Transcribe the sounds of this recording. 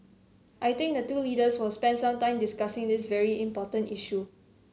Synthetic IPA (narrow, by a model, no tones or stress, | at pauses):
ʔajt̪ɪ̃ŋk̚dətulidəswɔspɛ̃nsãmtãɪ̃mdɪskasɪ̃ŋdɪsvɛɹiĩmpɔtə̃niʃu